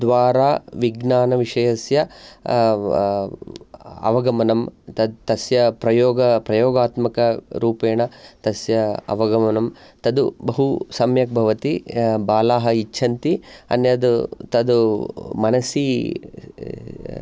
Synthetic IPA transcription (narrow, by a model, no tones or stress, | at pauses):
d̪ʋaːɾaːʋiɡnaːnɐʋiʂɐjɐsjɐ | ɐ̰ʋɐɡɐmɐnɐmt̪ɐd̪t̪ɐsjɐpɾɐjoːɡɐpɾɐjoːɡaːt̪mɐkɐɾuːpeːɳɐt̪ɐsjɐɐ̰ʋɐɡɐmɐnɐmt̪ɐd̪ubɐɦusɐmjɐk̚bʱɐʋɐt̪ibaːlaːɦɐit͡ʃːt͡ʃʰɐnt̪iɐ̰njɐd̪ut̪ɐd̪umɐnɐsi